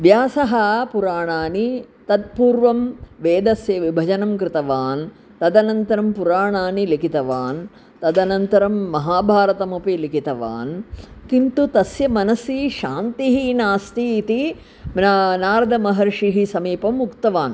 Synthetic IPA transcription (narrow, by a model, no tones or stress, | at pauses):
ʋjaːsɐɦɐpuɾaːɳaːnit̪ɐd̪̚puːɾʋɐmʋeːd̪ɐsjɐʋibʱɐd͡ʒɐnɐmkɾɪt̪ɐʋaːn | t̪ɐd̪ɐnɐnt̪ɐɾɐmpuɾaːɳaːnilikit̪ɐʋaːn | t̪ɐd̪ɐnɐnt̪ɐɾɐmːɐɦaːbʱaːɾɐt̪ɐmupilikit̪ɐʋa̰ːnk̪int̪ut̪ɐsjɐmɐnɐsiʃaːnt̪iɦinaːst̪iːt̪i | naːɾɐd̪ʱɐmɐɦɐɾʂiɦisɐmiːpɐmːukt̪ɐʋaːn